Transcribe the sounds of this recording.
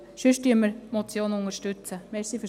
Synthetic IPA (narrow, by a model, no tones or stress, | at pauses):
ʃøʃtyəməɾmɔt͡sjoːnʊŋəɾʃtʉt͡səmɛsify